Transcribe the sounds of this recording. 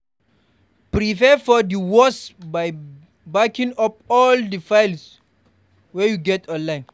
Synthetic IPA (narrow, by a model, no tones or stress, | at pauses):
pɾipɛfɔdiwɔsbaj | bakĩŋap̚ɔldifajls | wɛjuɡɛtɔ̃nlãj̃n